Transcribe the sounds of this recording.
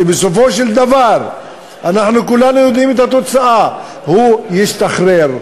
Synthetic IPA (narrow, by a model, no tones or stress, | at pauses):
ibeso̞fo̞ʃeld̪avaɾ | anaħnukulanujo̞d̪imet̪hat̪o̞t͡saʔa | hujiʃt̪aχɾeʁ